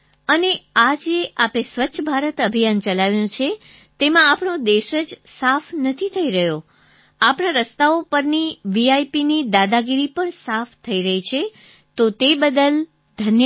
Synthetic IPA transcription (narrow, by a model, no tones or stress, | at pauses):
ənead͡ʒeʔapesʋətːʃʰəbʱaɾət̪əbʱijant͡ʃəlaʋjõt͡ʃʰe | t̪emãapɳod̪eʃəd͡ʒsafnət̪ʰit̪ʰəiɾəɦjo | apɳaɾəst̪aopəɾniʋiajpinid̪ad̪aɡiɾipəɳsaft̪ʰəiɾəɦit͡ʃʰe | t̪ot̪ebəd̪əl | d̪̥ʱənj